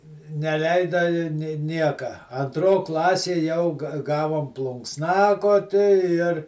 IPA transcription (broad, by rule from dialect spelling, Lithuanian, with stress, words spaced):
nʲɛˈlʲɛɪdɐ ɪ nʲeː ˈnʲiɛkɐ ɐnˈtroː ˈklˠɑːsʲeː jɛʊ ɡɐ ˈɡɑːʋoːm plˠʊŋksˈnɑːkoːtʲɪ ɪr